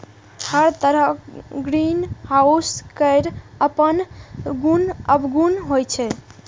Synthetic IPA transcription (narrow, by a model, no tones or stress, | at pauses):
həɾt̪əɾəɡɾinhauskəjɾəpənɡunəbɡunɦojt͡ʃʰɛ